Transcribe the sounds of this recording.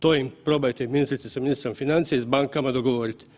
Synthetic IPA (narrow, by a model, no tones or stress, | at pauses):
t̪oːimpɾoːbajt̪ɛminist̪ɾit̪sɛsaminist̪ɾomfinant̪sijɛizbaŋkamad̪oɡɔʋoːɾit̪